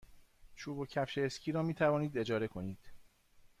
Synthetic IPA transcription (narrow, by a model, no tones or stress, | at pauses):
t͡ʃʰuːbocʰæfʃeːscʲʰiːɾɒːmiːt̪ʰævɒːniːd̪e̞d͡ʒɒːɾe̞kʰo̞niːd̪̥